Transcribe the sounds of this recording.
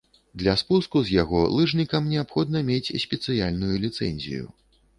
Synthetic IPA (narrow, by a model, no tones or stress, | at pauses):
d̪lʲɐspuskuzʲjaɣɔlˠɨʐnʲikɐmnʲɛapxɔd̪̚nɐmʲet͡sʲsʲpʲɛt̪sɨjalʲnujulʲit̪sɛ̰nʲzʲḭjṵ